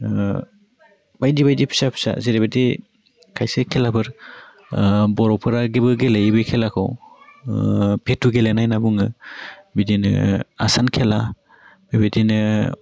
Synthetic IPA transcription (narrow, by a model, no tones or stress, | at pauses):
bajdibajdipʰi̥sapʰi̥sa̰zeɾebedi | kʰajsekʰelabɯɾ | bɔɾɔpʰɯɾaɡibɯɡelejbɯkʰelakʰɔ̰w | pʰetːuɡelenajnabuŋɯbidinɯ̰a̰sankʰela | bebedinɯ